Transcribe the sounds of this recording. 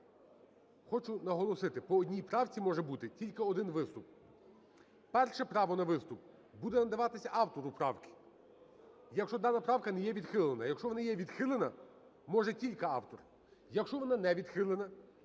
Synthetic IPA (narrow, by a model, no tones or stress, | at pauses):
xɔt͡ʃʊnɐɦɔlˠɔsɪt̪ɪpɔːdʲnʲijpɾɑwt͡sʲimɔʒɛbut̪ɪtʲilʲkɪɔd̪ɪnʋɪst̪ʊp̚ | pɛrʃɛpɾɑʋɔnɐʋɪst̪ʊp̚ | bud̪ɛnɐd̪ɐʋɑt̪ɪsʲɐʔɑwt̪ɔɾʊpɾɑwkʲɪ̥ | jɐkʃt͡ʃɔd̪ɑnɐpɾɑwkɐnɛjɛʋʲid̪xɪlˠenɐjɐkʃt͡ʃɔʋɔnɑjɛʋʲid̪xɪlˠenɐ | mɔʒɛtʲilʲkɪɑ̰wt̪ɔr | jɐkʃt͡ʃɔʋɔnɑnɛʋʲid̪xɪlˠenɐ